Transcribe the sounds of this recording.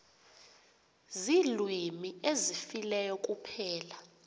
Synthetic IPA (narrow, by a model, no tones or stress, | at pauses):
zilwimiezifilɛjɔk̬ʼupʰɛːla